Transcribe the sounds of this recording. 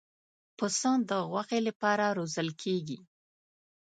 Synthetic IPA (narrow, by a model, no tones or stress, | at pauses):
pəsɑnd̪əɣwaxelapɑɾaɾozəlkʰeɡi